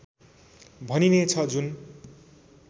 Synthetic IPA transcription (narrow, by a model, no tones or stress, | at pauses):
bʱʌninet͡sʰʌd͡zun